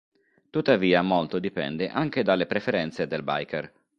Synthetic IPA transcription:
t̪ut̪ːaviːamolt̪od̪ipɛ̰nd̪eʔaŋk̟ed̪alːepɾefeɾɛnt̪sed̪elba̰jkʰer

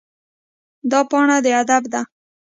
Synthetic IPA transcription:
d̪ɑpɑɳad̪əad̪abd̪a

